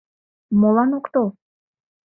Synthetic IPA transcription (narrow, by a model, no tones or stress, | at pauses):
molˠɑnokt̪o